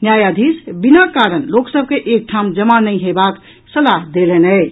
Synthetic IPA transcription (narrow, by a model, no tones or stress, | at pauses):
njajad̪ʱisbinakaɾənloksəb̚ʱkeʔek̚ʈʰamd͡ʒəmanəjɦebak | səlaɦd̪elenəɪt͡ʃʰ